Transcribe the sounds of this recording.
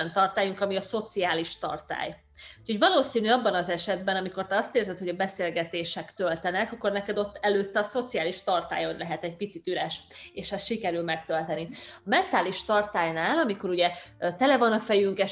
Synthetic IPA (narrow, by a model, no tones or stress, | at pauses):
nt̪ɒrt̪aːjuŋkɒmiɒso̞t̪siaːliʃt̪ɒ̰rt̪a̰ːj | uːchoɟvɒloːsiːnyɒbːɒnɒzɛʃɛd̪bɛnɒmiko̞rt̪ɛɒst̪eːrzɛt̪ho̞ɟɒbɛseːlɡɛt̪eːʃɛkt̪ølt̪ɛnɛkɒkːo̞rnɛkɛd̪o̞t̪ːɛløːt̪ːɛɒso̞t̪siaːliʃt̪ɒrt̪a̰ːjo̞nlɛɦɛt̪ɛɟ̚pit̪sit̪yɾɛʃeːʃɛsʃikɛɾylmɛkt̪ølt̪ɛniɒmɛnt̪aːliʃt̪ɒrt̪aːjnaːlɒmiko̞ɾuɟɛt̪ɛlɛvɒnɒfɛjyŋkɛ